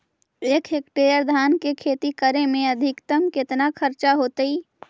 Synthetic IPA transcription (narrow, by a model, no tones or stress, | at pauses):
eːkʰɦeːkʈeːjəɾd̪ʱaːnkekʰeːt̪ikəɾemẽɐd̪ʱɪkt̪əmkɪt̪nakʰəɾt͡ʃaɦoːt̪iː